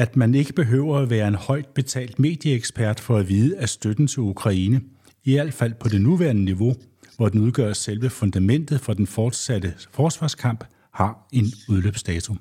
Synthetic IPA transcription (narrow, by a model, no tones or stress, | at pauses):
æd̥mæne̝ɡ̥əb̥e̝ɦø̰ʊ̰ɐæʋæːɐe̝nhɒ̽ɪ̰d̥̚b̥e̝t͡sʰɛ̰ːld̥me̝̰ːd̥jəeɡ̥sb̥ʰæɐd̥fɒ̽æʋiːð̞ˠəæsd̥ød̥n̩t͡sʰe̝lukʰʁɑ̈iːnə | iæl̰d̥fæl̰pʰɒ̽de̝nuʋæɐnəniʋo̝ | ʋɒd̥enuð̞ˠɡ̥ɶ̰ɐselʋəfond̥æmen̰d̥ð̞̩ˠfɒ̽d̥enfɒːd̥sæd̥əfɒːd̥sʋɑ̈ːskʰɑ̈m̰b̥ | hɑ̈e̝nuð̞ˠløːb̥sd̥ɛːt͡sʰum